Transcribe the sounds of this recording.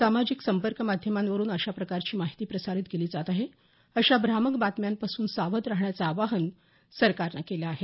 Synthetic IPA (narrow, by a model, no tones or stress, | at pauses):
samad͡ʑiksəmpəɾkəmad̪ʱjəmanʋəɾuːnəɕapɾəkaɾt͡ɕiːmaɦit̪iːpɾəsaɾit̪ɡeliːd͡zat̪aɦe | əɕabɾaməkbat̪mjampasuːnsaʋət̪ɾaɦɳjat͡saːʋaɦən | səɾkaɾnakelaːɦe